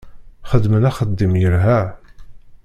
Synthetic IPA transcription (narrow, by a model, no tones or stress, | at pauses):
χəd̪mənæχəd̪ːimjəɾɦæ